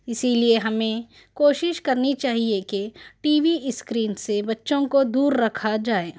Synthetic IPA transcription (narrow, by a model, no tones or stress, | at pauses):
ɪsilieɦɐmẽ | koːʃɪʃkɐɾnit͡ʃaːɦiekeʈiːʋiskɾiːnsebɐtːʃõkod̪uːɾːɐkʰad͡ʒaːeː